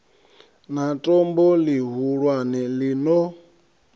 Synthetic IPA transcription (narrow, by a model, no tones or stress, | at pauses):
natʼɔmbɔliɦuɺwanilinɔ